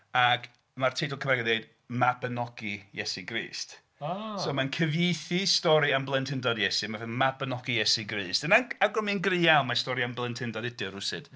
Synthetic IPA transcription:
aɡ | martʰidʊlˠkʰəmɛɡɛdejd | mabənɔɡ̥ijɛsiɡrḭːst | soːmankʰəvjejθistɔɾianblˠəntʰɪndɔdjɛsimavɛmabənɔɡijɛsiɡriːstənaaɡɔminɡrɨawˠmastɔɾiamblˠəntʰhɪndɔdɪdɨɾʊsɨd̥

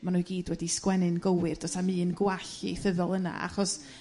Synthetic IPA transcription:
manuːɡiːdwɛdiskwɛnɨnɡowɨrd̥ɔtʰamɨːənɡwaɬiejθəðɔlˠəna̰a̰χɔs

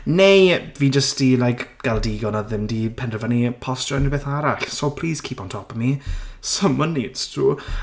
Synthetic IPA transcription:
nejviːd͡ʒəstilajkɡ̥alˠdiɡɔnaðɪmdipʰɛndrəvənipʰɔst͡ʃɔnibeːθaɾaɬsopʰl̥iːz̥kʰiːpɔntʰɔpəmisəmənitstʰuː

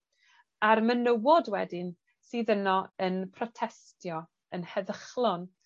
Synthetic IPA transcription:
armənəwɔdwɛdɪn | siːðənɔənpʰrɔtʰɛstʰjɔ | ənhɛðəχlˠɔn

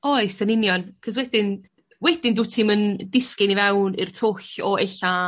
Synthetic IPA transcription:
ɔjsənɪnjɔnkʰəs̬wɛdɪn | wɛd̥ɪndʊːtʰiməndɪskɪnivɛwnɪrtʰʊɬɔeɬa

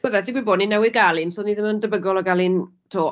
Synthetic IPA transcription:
əðɛdɪɡwiboːdninɛwɪðɡalˠɪnsoːniðəməndəbəɡɔlˠɔɡalˠɪn | tʰoː

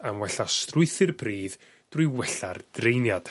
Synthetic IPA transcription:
amwɛɬastrʊɨθɪrpʰriːð | d̥rʊɨwɛɬa̰rd̥rejnjad̥

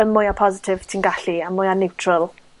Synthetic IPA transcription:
əmːʊjapʰɔzɪtʰɪv̥tʰiːnɡaɬiamʊjanɛwtʰrɔlˠ

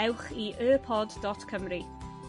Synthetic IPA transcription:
ɛwχiʔəːpʰɔdːɔtkʰəmri

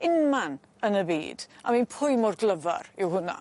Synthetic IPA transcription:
ɪnman | ənəbḭːd̥a̰minpʰʊjmʊrɡlˠəva̰rɪwhʊna̰

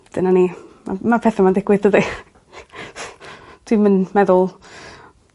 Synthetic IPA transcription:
d̥ənanima̰mapʰɛθamadɪɡ̥wɨðdədi | tʰwimənmɛðʊlˠ

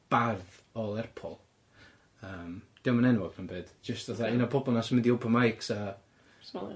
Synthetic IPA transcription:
b̥að | ɔlˠɛrpʰɔ̰lˠ | əːmd̥ɪwmanɛnwɔɡʰanbeːd̥d͡ʒəstvaθainɔpʰɔbɔlˠnasmɪndiopʰəmajksa

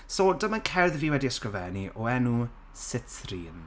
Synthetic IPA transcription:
sodəmənkʰɛrðviːwɛdiəskrəvɛniʔɔɛnu | sɪtriːn

